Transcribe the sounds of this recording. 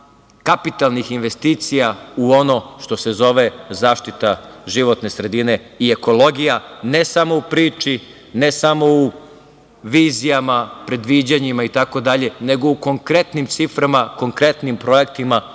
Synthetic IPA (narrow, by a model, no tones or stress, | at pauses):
kapit̪alˠnixinʋe̞st̪iːt̪sijauo̞no̞ʃt̪o̞se̞zo̞ʋe̞zaːʃt̪it̪aʒiʋo̞t̪ne̞sɾe̞d̪ine̞ | ie̞ko̞lo̞ɡijanesamo̞upɾiːt͡ʃi | nesamo̞u | ʋiːzijamapɾe̞d̪ʋid͡ʑaɲimait̪ako̞d̪aʎe̞ne̞ɡo̞uko̞ŋkɾe̞t̪nimt̪sifɾamako̞ŋkɾe̞t̪nimpɾo̞je̞kt̪ima